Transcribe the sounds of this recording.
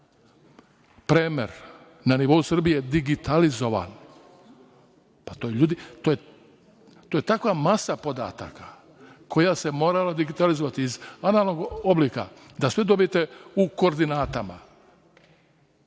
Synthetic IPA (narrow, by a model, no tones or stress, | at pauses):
pɾeːmḛɾ | naniʋo̞usr̩bijejd̪iɡit̪alizo̞ʋa̰n | pat̪ojeʎuːd̪it̪oje | t̪oje̞t̪akʋamasapo̞d̪a̰ːt̪a̰ka | kʰo̞jase̞mo̞ːɾalad̪iɡit̪alizoʋat̪iːzanaːlˠnoɡo̞blika̰ | d̪asʋed̪o̞bijet̪e̞uko̞ːɾd̪inaːt̪ama̰